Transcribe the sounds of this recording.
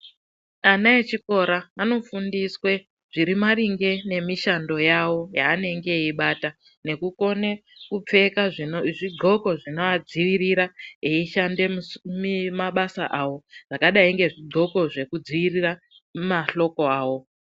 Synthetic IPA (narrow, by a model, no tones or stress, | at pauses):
anaet͡ʃiko̞ɾaːno̞fundiswe | ʐ̥iɾimaɾiŋɡe̞ne̞miʃando̞jawo̞jaːne̞ŋɡe̞iɓata | ne̞kuko̞ne̞kup͡fe̞kaʐʐiɡ͡ǀʱo̞ko̞ʐino̞ad͡ziʋiriɾaeiʃande̞mmaɓasa̰ʔawo̞ʐ̥akaɗaiŋɡe̞ʐiɡ͡ǃʱo̞ko̞ʐe̞kud͡ziʋirira | maɬo̞ko̞aːwo